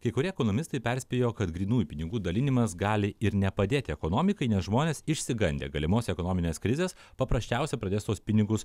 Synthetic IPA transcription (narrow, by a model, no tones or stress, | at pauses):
kɐɪkʊɾʲiɛkoːnoːmʲɪst̪ɐɪpʲɛɾʲsʲpʲeːjoːkɐt̪ɡɾʲiːnuːjpʲɪnʲɪɡuːd̪ɐlʲɪnʲɪmɐsɡɑːlʲɪɪɾnʲɛpɐd̪ʲeːt̪ʲɪɛkoːnoːmʲɪkɐɪnʲɛsʒmoːnʲeːsɪʃʲsʲɪɡɐnʲd̪ʲḛːɡɐlʲɪmoːsʲɛkoːnoːmʲɪnʲeːskɾʲɪzʲeːspɐpɾɐsʲt͡ʃʲɛˑʊsʲɛpɾɐd̪ʲeːst̪oːspʲɪnʲɪɡʊs